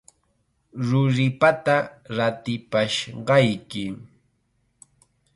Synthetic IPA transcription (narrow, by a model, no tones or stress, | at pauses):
ɾʊɾɪpat̪aɾat̪ɪpaʃɢɑjkɪ